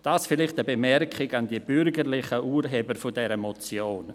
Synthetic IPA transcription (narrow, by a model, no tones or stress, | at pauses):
d̥aːsfɪlɪχtəbemɛrkχɪɡandiəb̥ʏɾɡəɾlɪχəʔuːɾɦɛːbəɾfodɛɾəmɔt͡sjoːn